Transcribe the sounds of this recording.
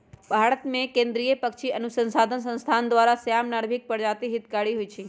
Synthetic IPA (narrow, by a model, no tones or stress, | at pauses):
bʱaɾət̪mẽkẽnd̪ɾijəpəkʃiənusə̃nsad̪ʱəns̬ə̃nst̪ʰand̪ʋaɾasəjamnaɽbʱik̚pəɽd͡ʒat̪iɦit̪kaɽiɦoit͡ʃʰe